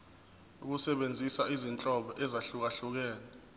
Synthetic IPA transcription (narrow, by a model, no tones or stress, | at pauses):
uk̬usɛɓend͡zʱisaizint͡ɬʼɔɓɔʔɛzaɬuk̬aɬuk̬ɛːnɛ